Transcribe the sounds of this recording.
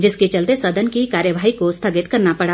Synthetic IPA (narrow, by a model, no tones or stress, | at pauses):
d͡ʒɪsket͡ʃɐlt̪esɐd̪ʱənkikaːɾjəʋaːɦikost̪ʰaɡɪt̪kɐɾnapɐɽa